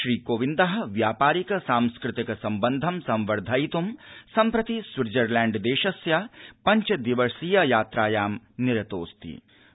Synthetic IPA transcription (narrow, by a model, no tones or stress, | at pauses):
ʃɾiːkoːʋind̪ɐɦɐ̆ʋjaːpaːɾikɐsaːmskɾɪt̪ikɐsɐmbɐnd̪ʱɐmsɐmʋɐɾd̪ʱaːjit̪umsɐmpɾɐt̪isʋɪɾd͡ʒɐɾlɛːɳɖd̪eːʃɐsjapɐɲt͡ʃɐd̪iʋɐɾsiːjɐjaːt̪ɾaːjaːmnɪɾɐt̪oːst̪ḭ